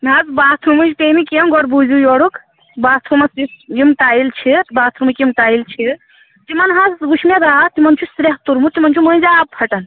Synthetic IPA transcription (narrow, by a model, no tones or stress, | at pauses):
nazbaːt̪ʰɾumud͡ʒt̪emikiɐmɡɔɽbuzujoɽuk̪ | baːt̪ʰɾumɐsijimʈaːilt͡ʃʰit̪baːt̪ʰɾumɐkimʈaːilt͡ʃʰi | t̪imɐnɦãzɡuʃʰmed̪aːt̪imɐnt͡ʃʰusɾeɦt̪uɾmut̪imɐnt͡ʃʰumənzaːb̚pʰɐʈɐn